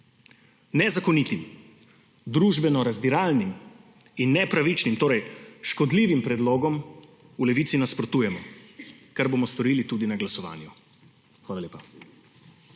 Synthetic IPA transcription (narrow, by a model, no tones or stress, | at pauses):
nɛzakɔnit̪im | d̪ɾuːʒbɛnɔɾazd̪iɾalnim | inːɛpɾaʋit͡ʃnimt̪oːɾɛjʃkɔd̪liːʋimpɾɛd̪loːɡɔm | ulɛʋiːt̪sinaspɾɔt̪uːjɛmɔ | kaɾbomɔst̪ɔɾiːlit̪uːd̪inaɡlasɔʋa̰ːnju | xʋaːlaleːpa